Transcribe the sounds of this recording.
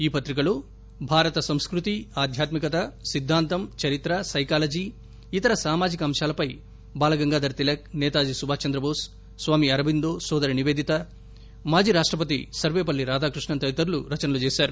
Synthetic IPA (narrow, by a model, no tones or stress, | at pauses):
iːpɐt̪ɾik̬ɐloː | bʱaːɾɐt̪ɐsɐmskɾut̪iaːd̪ʱjaːt̪mikɐt̪ɐsid̪ʱːaːnt̪ɐmt͡ʃɐɾit̪ɾɐsɐjkaːlɐd͡ʒiː | it̪ɐɾɐsaːmaːd͡ʒikɐːmʃaːlɐpɐj | baːlɐɡɐŋɡaːd̪ɐɾt̪ilɐk̚nɛːt̪aːd͡ʒisubʱaːt͡ʃɐnd̪ɾɐbʱoːsː | ʋaːmiɐɾɐbind̪oːsɔːd̪ɐɾiniʋeːd̪ʱit̪ɐ | maːd͡ʒiːɾaːʂʈɾɐp̬ɐt̪̬isɐɾʋeːpɐlːiɾaːd̪aːkɾuʂɳɐnt̪ɐʋit̪ɐɾluɾɐt͡ʃɐnɐlut͡ʃeːsaːɾu